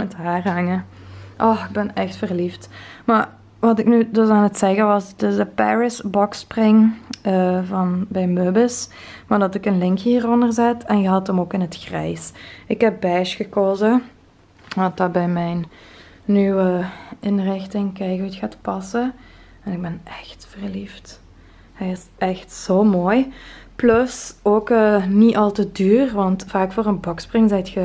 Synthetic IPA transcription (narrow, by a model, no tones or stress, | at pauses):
mɛtɦaːrɦɑŋəʔɔxɪɡ̚bɛnɛxtfərliftma | ʋɑtɪknydɵsaːnətsɛɣəʋɑsdɪsdəpɛ̰ɹɪsbɔksprɪŋəvɑnbɛjmøbəs | madɑtɪkənlɪŋkiːrɔndərzɛtɛnɣəɦɑtəmoːkɪnɦətxrɛ̰jsɪkɦɛp̚bɛʃxəkoːzə | dɑt̚dɑbɛjmɛjnː | ywəɪnrɪxtɪŋkɛjɣutxaːtpɑsə | ɛnɪɡ̚bɛnʔɛxtfərlift | hɛjɪs | ɛxtsoːmoːjplɵsoːkəniʔɑlˠtədyːrʋɑntfaːkfoːrənbɔksprɪŋzɛjtxə